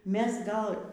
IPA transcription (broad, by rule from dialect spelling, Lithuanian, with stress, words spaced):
ˈmʲɛs ˈɡɐlˠ